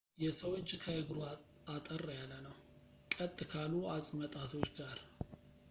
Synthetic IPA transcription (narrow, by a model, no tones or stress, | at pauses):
jɛsəwot͡ʃʼːkʰəɨɡɾu | at̪ʼərːjalːənəw | kʼət̪ʼːɨkʰaluasʼmət̪ʼat̪ʰo̞t͡ʃːɡaɾ